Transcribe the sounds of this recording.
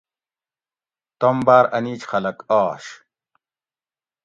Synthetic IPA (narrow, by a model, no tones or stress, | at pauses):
t̪ombaːɾɐniːt͡ɕxɐlɐkaːɕ